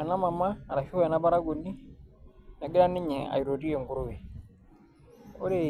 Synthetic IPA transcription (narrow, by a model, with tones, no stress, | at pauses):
ɛ˨na˦ma˨maː˦˨ɾa˨fi˦ɛ˨na˦ba˦ɾa˦ɡo˨ni˦ | na˨ɡɪ˦ɾa˦nɪ˦ɲɛ˨a̰˨i˨ɾo˨ti˦ɛ˨ŋɡu˨ɾo˦we˨ | o˦ɾe˦